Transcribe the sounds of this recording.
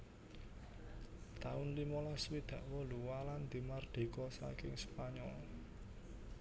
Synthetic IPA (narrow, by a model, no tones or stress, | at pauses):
t̪aʊnlimɔlaswid̪̥ä̤ʔwɔluwaland̪̥i̤mard̪̥e̤kɔsa̰kɪŋspaɲɔl